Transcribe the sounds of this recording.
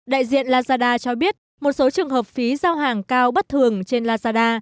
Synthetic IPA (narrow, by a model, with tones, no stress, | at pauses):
ɗa̰ː˧˨jzḭ˧˨ənlaː˧zaː˧ɗaː˧t͡ɕɔ˧ɓi˦˥ət̚ | mo˨˩t̚so˨˦t͡ɕɨ˨˩əŋɦəː˨˩p̚fi˨˦zaː˧wɦaː˨˩ŋkaː˧wɓə˦˥t̚t̪ʰɨ˨˩əŋt͡ɕe˧nlaː˧zaː˧ɗaː˧